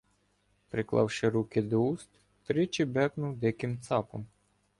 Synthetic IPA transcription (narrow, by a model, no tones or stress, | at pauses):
pɾɪklˠɑ̰wʃɪɾukɪd̪ɔust̪ | t̪ɾɪt͡ʃibɛknʊwd̪ɪkɪmt̪sɑpɔm